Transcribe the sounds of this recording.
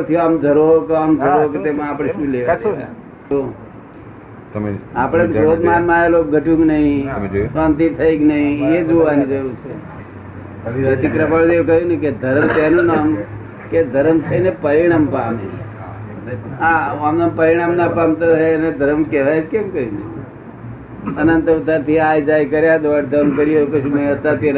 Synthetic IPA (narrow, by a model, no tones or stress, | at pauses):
t̪ʰijoamd͡ʒʱəɾookamd͡ʒʱəɾoket̪emãːpɽ̃eʃũːleʋat͡ʃʰ | o | apɽ̃ekɾod̪manmãelop̚ɡʱəʈũɡnəɦĩsãnt̪it̪ʰəiɡnəɦĩed͡ʒoʋanid͡ʒəɾuɾt͡ʃʰe | ət̪ikɾəpaɭt̪ekəɦjũnəiked̪ʱəɾmt̪enũnam | ked̪ʱəɾəmt̪ʰənepəɾiɽ̃aːmpame | ɦãamnapəɾiɽ̃amnapamt̪əened̪ʱəɾəmkɛʋajet͡ʃʰkemkəɦjũnə | ənənt̪ʊt̪aɾt̪ʰiajd͡ʒajkəɾjad̪oɖd̪əmkəɾijokəsʰũmə̃ĩət̪at̪iɾ